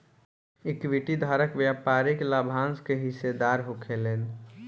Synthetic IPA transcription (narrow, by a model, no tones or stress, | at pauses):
ɪkʋiʈid̪ʱaːɾəkʋjapaːɾɪklabʱãːnskeɦɪsed̪aːɾɦokʰeleːn